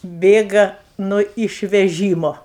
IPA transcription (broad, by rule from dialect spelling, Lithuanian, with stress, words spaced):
ˈbʲeːɡɐ nʊ ɪʃʲʋʲɛˈʒʲiːmoː